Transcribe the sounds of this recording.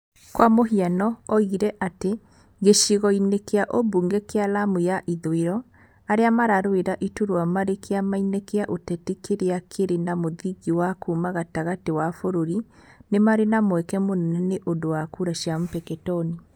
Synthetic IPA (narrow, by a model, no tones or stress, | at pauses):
kwamoɦianɔɔiɾɛʔate | ɡeʃiɣɔinekeaʔobuːŋɡɛkealamujaʔiðoeɾɔ | aɾeamaɾaɾoeɾaʔituɾwamaɾekʰeamainekeaʔotɛtikeɾeakʰeɾenamoðiɣiwakumaɣataɣatewafoɾoɾinemaɾenamwɛkɛmonɛnɛneʔondowakuɾaʃjam̩pɛkɛtɔni